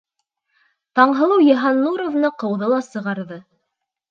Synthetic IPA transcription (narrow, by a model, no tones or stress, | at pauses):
t̪ɑɴɦɤ̆lˠɤwjeɦɑnːuɾovnɤqɤ̆wðɤlˠɑsɤ̆ʁɑɾðɤ